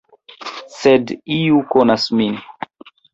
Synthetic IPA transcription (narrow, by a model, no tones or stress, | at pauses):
sediukonasmin